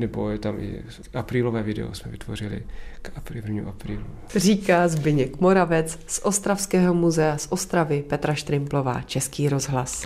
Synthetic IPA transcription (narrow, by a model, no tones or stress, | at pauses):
nɛbo̰jɛt̪amʔɪ̰ | ʔapɾiːlovɛːvɪdɛ̰o̰smɛvɪt̪vo̰rɪlɪ̰kapɾɪvɲiuʔapɾiːlu | r̝iːkaːzbɪɲɛkmo̞ɾavɛt͡ssʔo̞st̪ɾafskɛːɦo̞muzɛasʔo̞st̪ɾavɪpɛt̪ɾaʃt̪ɾɪmplo̞va̰ːt͡ʃɛskiːɾo̞zɦlas